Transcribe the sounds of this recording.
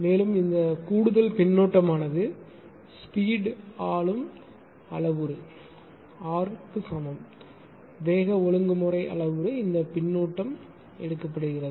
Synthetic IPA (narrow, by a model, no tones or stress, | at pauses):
meːlɯmɪnd̪ɐkuːɽɯðɐlpɪɳːuːʈːɐmaːnɐðɯ | spiːɽaːɭɯm | ɐɭɐʋɯɾɯ | aːɾpɯsɐmɐm | ʋeːɣɐɔɭɯŋɡɯmɯrɐɪʔɐ̰ɭɐʋɯɾɯɪnd̪ɐpɪɳːuːʈːɐm | ɛɽɯkːɐpːɐɽɯɣɪrɐðɯ